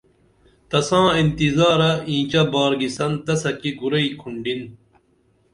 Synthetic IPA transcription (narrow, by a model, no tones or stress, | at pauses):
t̪ɐsãːint̪izaːɾɐĩːt͡ɕɐbaːɾɡisɐnt̪ɐsɐkiɡuɾɐikʰuɳɖin